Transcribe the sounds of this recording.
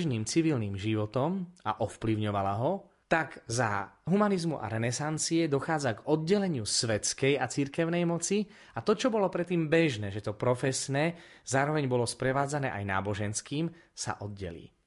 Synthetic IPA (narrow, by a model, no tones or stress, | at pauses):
ʒniːmt͡siʋilniːmʒiʋɔt̪ɔmaʔɔfpliʊɲɔʋalaɦɔ | t̪aɡza̰ɦumanizmuʔa̰ɾɛnɛsant͡siɛd̪ɔxaːd͡zaɡɔd̪̚ɟɛlɛɲɪusʋɛt͡skɛjat͡siɾkɛʊnɛjmɔt͡si | at̪ɔt͡ʃɔbɔlɔpɾɛt̪ːiːmbɛʒnɛːʒɛt̪ɔpɾɔfɛsnɛː | zaːɾɔʋɛɲbɔlɔspɾɛʋaːd͡zanɛ̰ːʔajna̰ːbɔʒɛnskiːm | sa̰ʔɔd̪̚ɟɛ̰lḭː